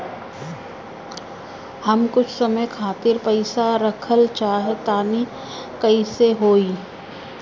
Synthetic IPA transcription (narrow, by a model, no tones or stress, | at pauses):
hɐmkʊt͡ʃʰsəməjkʰaːt̪ɪɾpəɪsaɾəkʰəlt͡ʃaːɦet̪aːni | kɐiseɦoːiː